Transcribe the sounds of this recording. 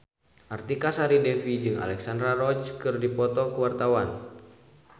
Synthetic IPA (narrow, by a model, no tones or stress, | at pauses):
ʔart̪ikasaɾidɛfid͡ʒɨŋa̰lɛksand̪ɾaɾɔd͡ʒkɨrdipɔt̪ɔkuwart̪awan